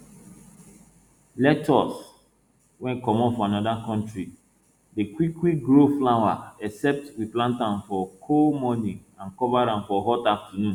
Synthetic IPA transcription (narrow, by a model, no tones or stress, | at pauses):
lɛtɔs | wɛ̃nkɔmɔ̃nfɔanɔdakɔ̃ntɹi | dekwikːwik̚ɡɹoflawa̰ɛsɛp̚twiplãntãnfɔkʰomɔniãnkɔvaɾãnfɔɦɔtaftɔnũn